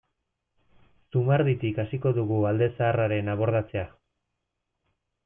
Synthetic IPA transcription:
sumaɾðit̪ikasiko̞ðuɣuald̪e̞saːraɾe̞naβo̞ɾðat͡se̞a

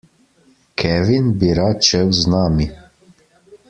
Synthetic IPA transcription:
kʰɛʋinbiɾat̪̚t͡ʃɛwznaːmi

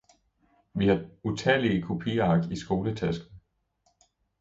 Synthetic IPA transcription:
ʋihɑ̈ut͡sʰɛliəkʰo̝pʰiːɐɑ̈ɡ̥̚d̥isɡ̥o̝ːlət͡sʰæsɡ̥n̩ˠ

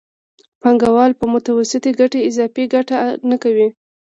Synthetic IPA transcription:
paŋɡawɑlpəmʊt̪awasɪt̪iɡaʈeɪzɑfeɡaʈanakawi

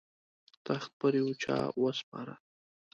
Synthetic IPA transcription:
t̪axt̪̚pəɾjwot͡ʃɑ̰wəspɑɾa

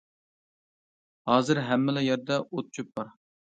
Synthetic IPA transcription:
hɑːzɨɾɦɛmːɪlɛjɛɾd̪ɛot̪̚t͡ʃʰyp̚bɑɾ

